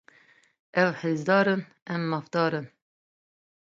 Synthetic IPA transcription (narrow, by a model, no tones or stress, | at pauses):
ɛwħeːzd̪ɑːɾɨn | ɛmːɑːfd̪̥ɑːɾɨn